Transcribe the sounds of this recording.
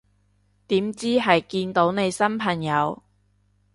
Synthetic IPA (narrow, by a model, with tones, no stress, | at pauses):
t̪iː˨˥mt͡siː˥ɦɐ˨jkiː˧nt̪o˨˥wne˨˧jsɐ˥mpʰɐ˨˩ŋjɐ˨˧w